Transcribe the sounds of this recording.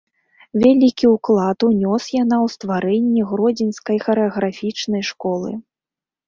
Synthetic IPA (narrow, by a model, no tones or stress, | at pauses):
vʲalʲikʲiwklˠat̪unʲɔsjanawst̪vaɾɛnʲːɛɣɾɔd͡zʲinskɐjxɐɾɨɐɣɾafʲit͡ʂnɐjʂkɔlˠɨ̰